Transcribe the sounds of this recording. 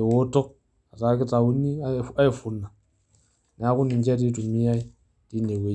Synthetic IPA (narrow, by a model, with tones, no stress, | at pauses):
e˨wo˦to˦k̚ | a˨ta˨˦ki˦ta˨wu˦nːi˦˨˦a˦i˨fu˨nːa˨ | n˨a˦ku˦ni˨nd͡ʒe˦t̬i˦tu˨mi˦ja˦i˦ | ti˦nde˨we˦